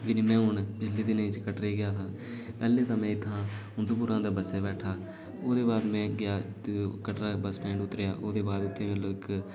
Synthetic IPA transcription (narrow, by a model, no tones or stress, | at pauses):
ʋɪniːmɛ̃ːɦʊɳpɪt͡ʃʰliːd̪ɪnĩːt͡ʃkəʈɾeːɡɪjaːt̪ʰãː | pɛːleːt̪ãːmɛ̃ːɪt̪ʰːãːʊnd̪uːp̬ʊɾãːd̪aːbəseːbɛːʈʰaː | oːd̪eːbaːd̪mɛ̃ːɡɪjaːkəʈɾaːbəsʈɛ̃ːɪ̃ɳɖʊt̪ːɾeja̰ːʔoːd̪eːbaːd̪ʊt̪ʰːeːmɛ̃ːloːɪk